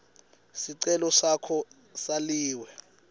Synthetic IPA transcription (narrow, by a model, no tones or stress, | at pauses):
siǀɛlɔsakʰɔ | saliːwɛ